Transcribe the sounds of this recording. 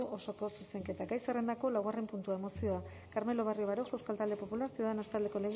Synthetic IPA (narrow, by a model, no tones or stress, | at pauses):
uʔo̞so̞ko̞suse̞ŋke̞t̪aɡajsere̞nd̪ako̞lawɣarempunt̪uae̞mo̞sio̞a | kaɾme̞lo̞βario̞βaɾoxe̞wskalt̪ald̪e̞po̞pulaɾsiuðanast̪ald̪e̞ko̞leɣ